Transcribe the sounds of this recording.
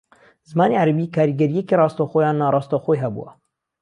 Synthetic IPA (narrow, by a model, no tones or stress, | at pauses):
zɨmɑːneːʕaɾabiːkʰɑːɾiːɡɛɾijɛkeːrɑːst̪oːxojɑːnːɑːɾˤɑːst̪oːxoɦɛbṵwɛ̰